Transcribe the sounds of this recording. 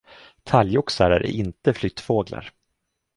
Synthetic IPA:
t̪ʰaljʊksaɾæɾ̰ɪnt̪əflʏt̪ːfoːɡla̰ɾ

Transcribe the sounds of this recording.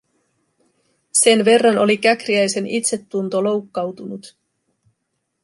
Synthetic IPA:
se̞nʋe̞rːɑno̞likækriæjse̞nit̪se̞t̪ːunt̪o̞lo̞wkːɑwt̪unut̪

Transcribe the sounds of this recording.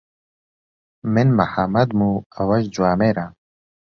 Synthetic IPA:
mɪnmaħamɐd̪muɐwɐʒd͡ʒuwaːmeɾa

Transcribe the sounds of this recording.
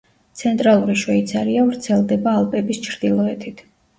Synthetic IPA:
t̪sʰɛnt̪ʼɾalˠuɾiʃwait̪sʰaɾiavɾt̪sʰɛlˠd̪ɛbaːlˠpʼɛbist͡ʃʰɾd̪ilˠɔɛt̪ʰit̪ʰ

